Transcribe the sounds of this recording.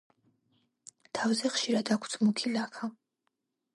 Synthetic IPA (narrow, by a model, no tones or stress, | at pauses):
t̪ʰavzɛχʃiɾad̪akʷʰt̪ʰmukʰilakʰa